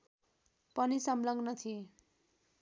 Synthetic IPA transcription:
pʌnisʌmlʌɡnʌt̪ʰie

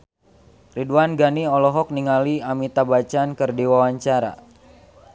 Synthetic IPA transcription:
riduanɡaniɔlɔɦɔk̚niŋaliamit̪abat͡ʃankɨrdiwawaɲt͡ʃaɾa̰

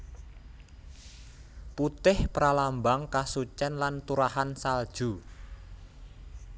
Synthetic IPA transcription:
put̪ɪhpɾalambaŋkasut͡ʃɛnlant̪uɾaɦansald̥ʒ̥ṳ

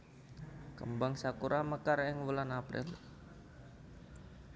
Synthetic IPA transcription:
kə̰mbaŋsakuɾʔaməkarɪŋwəlanapɾɪ̰l

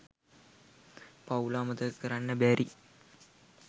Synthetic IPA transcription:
pawlaːmət̪əkəɾanːəbæɾʔi

